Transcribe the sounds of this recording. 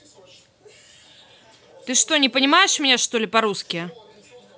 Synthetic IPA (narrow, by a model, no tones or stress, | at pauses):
t̪ɨʂt̪ɔnʲɪpɐnʲɪmajɛʂmʲnʲɛʂt̪olʲɪpaɾuskʲɪjɛ